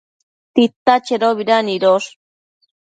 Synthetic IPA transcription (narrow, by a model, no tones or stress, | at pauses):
t̪it̪ːat͡ʃeɾoβiɾaniɾos